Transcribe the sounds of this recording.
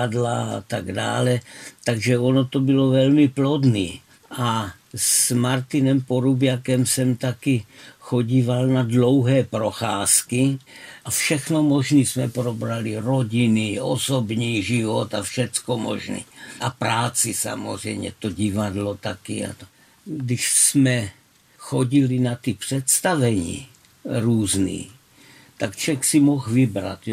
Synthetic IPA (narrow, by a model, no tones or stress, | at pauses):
adlaa̰t̪aɡda̰ːlɛt̪aɡʒɛonot̪obɪlovɛlmɪplodnḭː | ʔa | smaɾt̪inɛmpoɾubjakɛmsɛmt̪akɪxoɟiːvalnadlowɦɛːpɾoxaːskiafʃɛxnomoʒnismɛpɾobɾaliɾoɟɪniʔosobɲiːʒɪvot̪afʃɛt͡skomo̰ʒnḭːʔapɾaːt͡sisa̰mozrɛ̰jmɲɛ̰t̪oɟɪvadlot̪akḭa̰t̪o | ɡdɪʃsmɛ | xoɟɪlɪnat̪ipr̥ɛt̪st̪avɛɲḭː | ɾuːznḭː | t̪akt͡ʃɛxsimoxvɪbɾa̰t̪